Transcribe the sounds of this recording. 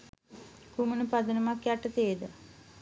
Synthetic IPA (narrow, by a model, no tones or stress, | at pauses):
kumənəpad̪ənumakːjaʈət̪eːd̪ə